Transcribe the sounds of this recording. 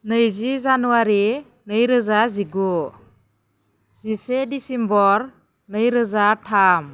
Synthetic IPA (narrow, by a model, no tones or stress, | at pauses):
nɯjzizanuaɾi | nɯjɾɯzaziɡu | z̥isedisimbɔɾ | nɯjɾɯzatʰam